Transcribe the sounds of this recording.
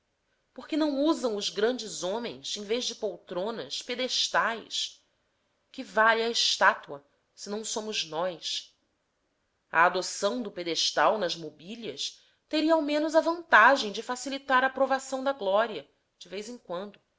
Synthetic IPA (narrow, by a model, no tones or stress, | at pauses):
poχkɪnɐ̃w̃uzɐ̃w̃ʊzɡɾɐ̃nd͡ʒɪzõmḛ̃j̃sẽj̃vejzd͡ʒɪpowt̪ɾõnɐ̰ʃped̪eʃt̪ajs | kɪvalɐɪʃt̪at̪uɐ | sɪnɐ̃w̃sõmʊznɔjs | ɐ̰ːd̪osɐ̃w̃d̪ʊped̪eʃt̪awnɐzmobilɐ̰s | t̪eɾiɐawmẽnʊzɐvɐ̃nt̪aʒẽj̃d͡ʒɪfasilit̪aɾɐpɾovasɐ̃w̃d̪ɐɡlɔɾiɐ | d͡ʒɪvejzẽŋkwɐ̃nd̪ʊ